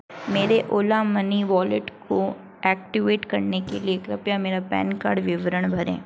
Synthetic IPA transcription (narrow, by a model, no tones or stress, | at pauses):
meːɾeʔoːlamɐniʋɔːlɪʈko | ɛːk̚ʈɪʋeːʈkɐɾnekeliekɾɐpjameːɾapɛ̰ːnka̰ːɖʋɪʋɾəɽ̃bʱɐɾɛ̰̃ː